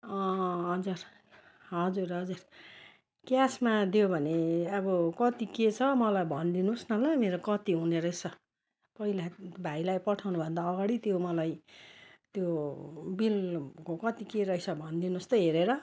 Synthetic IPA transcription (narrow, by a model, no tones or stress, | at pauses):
ʌ̃ɦʌd͡zur | ɦʌd͡zurɦʌd͡zur | kjasmad̪jobʱʌneʌbʌkʌt̪iket͡sʰʌmʌlajbʱʌnd̪inusnʌlajmeɾokʌt̪iɦuneɾʌjsʌ | pʌɦilabʱajlajpʌʈʰawnubʱʌnd̪aʌɡaɽit̪jomʌlaj | t̪jobilkokʌt̪ikeɾʌisʰʌbʱʌnd̪inust̪ʌɦeɾeɾʌ